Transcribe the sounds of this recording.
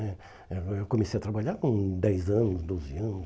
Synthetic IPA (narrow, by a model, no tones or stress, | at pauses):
ɛ | eewkomesejɐt̪ɾabaʎaɾkõd̪ɛjzɐ̃nʊsd̪oziɐ̃nʊs